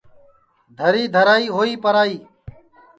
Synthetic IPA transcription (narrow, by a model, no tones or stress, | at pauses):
d̪ʱəɾiːd̪ʱəɾaːiːɦoːiːpəɾaːiː